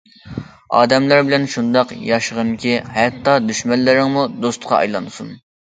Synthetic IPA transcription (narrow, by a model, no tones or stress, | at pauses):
ɑ̰ːd̪ɛmlæɾbɪlɛnʃund̪ɑqjɑʃəʁənkʲʰihɛt̪ːɑd̪yʃmɛnlːɪɾɪŋmud̪ost̪qʰɑ̰ɑ̰jlˠɑnsun